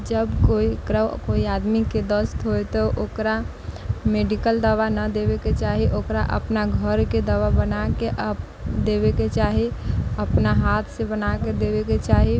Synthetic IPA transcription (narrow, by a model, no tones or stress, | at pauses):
d͡ʒəbkoikɾakoiad̪miked̪əst̪ɦoet̪ɔʔokɾa | meɖikəld̪əʋanəd̪ebeket͡ʃaɦiʔokɾaʔə̰pnaɡʱəɾked̪əʋabənakeʔə | d̪ebeket͡ʃaɦiəpnaɦat̪ʰsebənaked̪ebeket͡ʃaɦi